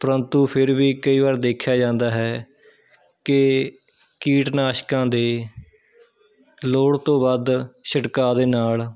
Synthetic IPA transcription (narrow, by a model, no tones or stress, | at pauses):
pəɾənt̪ũːpʰɪɾʋiːkəiːʋaːɾd̪eːkʰːjaːd͡ʒãːnd̪aːɦɛː | kɪ | kiːʈnaːʃkãːd̪eː | loːɽt̪õːbad̪ʃəʈkaːd̪eːnaːl